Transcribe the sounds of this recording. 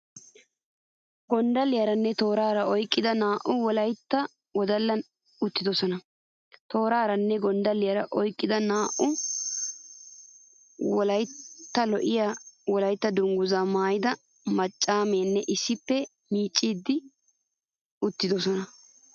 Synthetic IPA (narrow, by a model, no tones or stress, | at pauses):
ɡɔnd̪ɐlɪjɐɾɐnːɛt̪o̞ːɾaːɾɐɔjkʼːɪd̪ɐnaːʔʊwɔlɐjt̪ːɐ | wɔd̪ɐlːɐn | ʊt̪ːɪd̪ɔsɔnɐ | t̪o̞ːɾaːɾɐnːɛɡɔnd̪ɐlɪjɐɾɐʔɔjkʼːɪd̪ɐnaːʔʊ | wɔlɐjt̪ːɐlɔʔɪjaːwɔlɐjt̪ːɐd̪ʊŋɡʊzɐmaːjɪd̪ɐ | mɐt͡ʃʼːaːmeːnːɛʔɪsːɪpːɛ | miːt͡ʃʼːiːd̪ːɪ | ʊt̪ːɪd̪ɔsɔnɐ